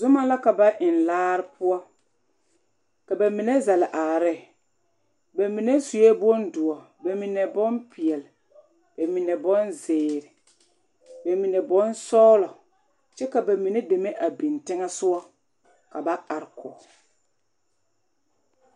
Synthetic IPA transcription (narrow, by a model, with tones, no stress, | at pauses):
zʊ˦ma˦la˦ka˨ba˦ʔɪ˨nlaː˦ɾɪ˦pʊ˦ɔ˦ | ka˨ba˨mi˨ne˦zɛ˨lɪ˨ʔa˨ɾɪ˦˨ | ba˨mi˨ne˦su˨e˦bo˦ndʊ˨ɔ˨ | ba˨mi˨ne˨bɔ˦npɪ˨ɛ˨lɪ˨ | b̥a˨mi˨ne˨bɔ˦nzɪː˨ɾɪ˨ | ba˨mi˨ne˨bɔ˦nsɔː˦lɔ˨ | t͡ʃɛ˦ka˨ba˨mi˨ne˦de˨me˦ʔa˨bi˨ntɪ˦ŋɛ˦sʊ˦ɔ˦ | ka˨ba˦ʔa˨ɾɪ˨kʊ̰˨